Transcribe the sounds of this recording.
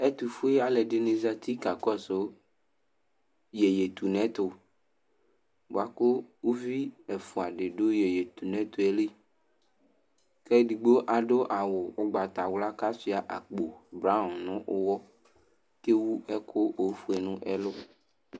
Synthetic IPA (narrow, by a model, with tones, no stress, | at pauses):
ɛ˦t̪u˨fu˦e˦a˨lɛ˨ɖe˨ne˨za˦t̪ʰi˦ka˨kɔ˦so˦ | jɛ˨je˨t̪u˨nɛ̃˦t̪ʊ˨ | bo̰˨a˨ko˦wu˦vi˦ɛ˨fu˨a˨ɖe˨ɖo˦je˨je˨t̪u˨nɛ̃˦t̪o˦ɛ˨li˦ | kɛ˦ɖi˨ɡ͡bo˦ʔa˨ɖo˦ʔa˨wʊ˨ʊ˦ɡ͡ba˨t̪a˨wla˦ka˦si˦a˨ʔa˨k͡po˨bɾã˦˨nʊ̃˦ʔo˦wɔ˦ | ke˦wu˦ɛ˦kʰo˦o˨˦fu˦ɛ˨nũ˦ʔɛ˦lʊ˦